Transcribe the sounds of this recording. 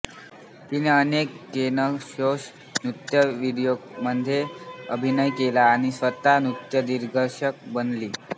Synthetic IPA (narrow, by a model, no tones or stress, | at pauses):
t̪ineənekːenəɕos | nut̪jəʋiɽjoɡməd̪ʱjeəbʱinəjkelaːɽ̃isʋət̪anut̪jəd̪iɾɡʱəɾɕək̚bənliː